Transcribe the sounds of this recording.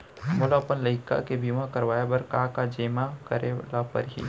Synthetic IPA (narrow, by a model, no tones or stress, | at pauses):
mʊlapənləɪka̰kebʱimãkɐɾʋaːebəɾkakad͡ʒeːmakəɾelapə̰ɾɦḭː